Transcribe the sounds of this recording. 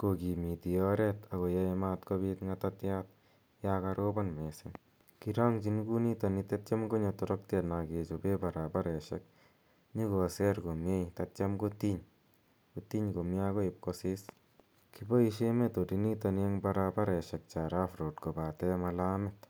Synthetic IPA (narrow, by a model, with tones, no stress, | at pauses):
ko˨ki˨mi˨t̪i˨ɔ˦ɾɛt̪a˨ko˨ja˧mat̪ko˧bi˦t̪ŋa˧tat̪jat̪̚ | ja˦ka˧ɾo˦bɔ˦nme˨sɪ˦ŋ | kiɾɔ˦ŋt͡ʃi˧nku˦ni˦to˧ni˧t̪e˦t̚t͡ʃa˦mɡo˦ɲɔ˧tɔ˧ɾɔ˦k̚te˨tna˨ke˨t͡ʃobe˦ba˨ɾaba˦ɾɛ˨ʃɛ̰˦k̚ | ɲi˦ko˨sɛ˦ɾko˨mje˦jtatt͡ʃa˦mko˦t̪i˦ɲ | ko˨t̪i˦ɲko˨mja˦ko˦ɪ˧p̚kosɪ˦s | kibo˦i˧ʃe˦me˦to˨dini˦ta˧n˦e˦ŋba˧ɾa˧ba˦ɾɛ˨ʃɛ˨k̚t͡ʃaɾa˦fɾo˨tko˨ba˨tɛ˦ma˧la˦mɪt̪